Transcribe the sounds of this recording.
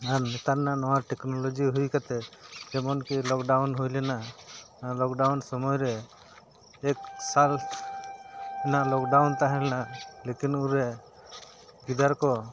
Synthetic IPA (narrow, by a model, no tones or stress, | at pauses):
aɾnɛt̪aɾnanɔwaʈɛknɔlɔd͡ʒiɦujkat̪ɛd͡ʒɛmɔnkilɔkɖawnɦujlɛna | lɔkɖawnsɔmɔjɾɛ | ksal | ɛnaʔlɔkɖawnt̪aɦɛlɛnalekinuɾɛ | ɡid̪aɾkɔ